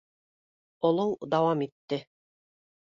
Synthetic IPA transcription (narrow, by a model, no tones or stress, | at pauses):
ŏlˠowd̪ɑwɑmit̪ːɘ